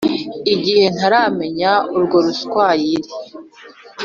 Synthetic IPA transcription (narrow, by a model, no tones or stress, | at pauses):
iɟihe̞n̥aɾaːme̞ɲauɾɡo̞ɾuskwaːjiɾi